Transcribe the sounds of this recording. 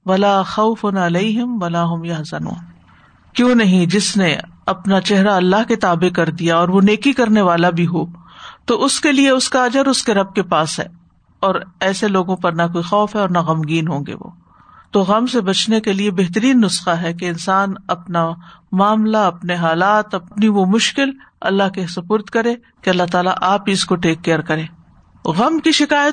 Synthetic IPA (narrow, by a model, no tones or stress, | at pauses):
ʋɐlaːxɐʊfʊnɐleɪɦɪmʋɐlaːɦʊmjɐɦsɐnṵːn | kjõːnɐɦĩd͡ʒɪsneɐpnat͡ʃɛɦɾaɐlːaɦket̪aːbekɐɾd̪ijaɔːɾʋoneːkikɐɾneʋaːlabʱiɦoːt̪oʔʊskelieʊskaɐd͡ʒəɾʊskeɾɐb̚kepaːsɦɛ̰ː | ɔːɾɛːseloːɡõpɐɾnɐkoːixɔːfɦɛɔːɾnaɣɐmɡiːnɦõːŋɡḛʋo̰ː | t̪oɣɐmsebɐt͡ʃnekeliebɛɦt̪əɾiːnːʊsxaɦɛk̬eɪnsaːnɐpnamaːmlaɐpneɦaːlaːt̪ɐp̚niʋomʊʃkɪlɐ̰lːaɦkesɐpʊɾt̪kɐɾẽː | keɐlːaɦt̪aːla̰ʔaːpɦiɪskoʈeːkːejəɾkɐɾẽː | ɣɐmkiʃɪkaːjət̪